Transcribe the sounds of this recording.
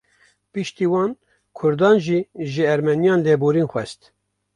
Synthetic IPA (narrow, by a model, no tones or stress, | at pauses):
pɨʃt̪iːwɑːn | kʰʊɾd̪ɑːnʒiːʒɪɛɾmɛnijɑːnleːboːɾiːnxʷɛst̪